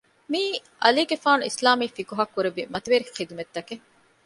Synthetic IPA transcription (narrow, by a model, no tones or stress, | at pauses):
miːʔɐliːɡefaːnuislaːmiːfikuɦɐkːuɾeʋimɐt̪eʋeɾixid̪umet̪ːɐke